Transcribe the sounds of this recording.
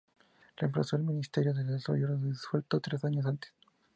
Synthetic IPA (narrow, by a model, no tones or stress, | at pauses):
rempla̰so̞elminist̪eɾjoðeleso̰joɾðiswelt̪ot̪ɾesaɲos̬ant̪e̥s